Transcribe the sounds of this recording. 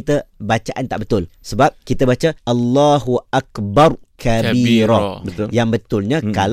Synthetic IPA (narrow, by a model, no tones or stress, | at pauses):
t̪əbat͡ʃaʔant̪a̰ʔbət̪ʊlsəbap̚kit̪əbat͡ʃaʔalːahuʔakbarkʰabiɾɔbəjaŋbət̪ʊlɲãkal